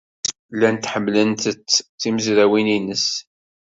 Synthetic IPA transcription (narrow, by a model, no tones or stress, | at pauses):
lːænt̪ːħəmːlənt̪ət͡sːt͡sːiməzɾæwininəs